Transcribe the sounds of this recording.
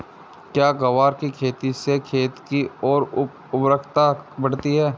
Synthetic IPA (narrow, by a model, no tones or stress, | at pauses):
kjaːɡɐʋaːɾkikʰeːt̪isekʰeːt̪kiɔːɾ | ʊbɾəkʰt̪abɐɽ̤t̪iɦɛː